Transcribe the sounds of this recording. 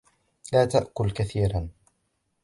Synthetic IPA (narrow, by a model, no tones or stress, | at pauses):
laːt̪aʔkʊlkaθiːɾan